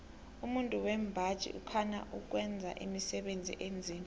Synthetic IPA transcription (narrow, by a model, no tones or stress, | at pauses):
umuntʼuwɛmbʱḁt͡ʃʼḭʔukʰana̰ʔuk̬wɛnd͡zʱa̰ʔḭmisɛɓend͡zʱḭʔend͡zʱiːm